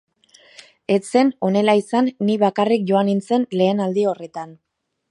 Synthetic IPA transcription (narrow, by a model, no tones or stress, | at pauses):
e̞t͡se̞no̞ne̞laisanːiβakarik̚ʝo̞anint͡se̞nle̞ːnald̪io̞re̞t̪an